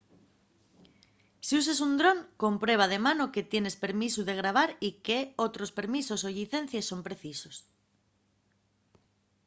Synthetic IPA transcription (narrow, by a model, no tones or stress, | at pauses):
sius̬esund̪ɾoŋko̞mpɾwe̞β̞að̞e̞manoket̪jene̞spe̞ɾmisuðe̞ɣ̞ɾaβ̞aɾikeot̪ɾospe̞ɾmisosoʎiθẽn̟θjesːo̞mpɾeθisos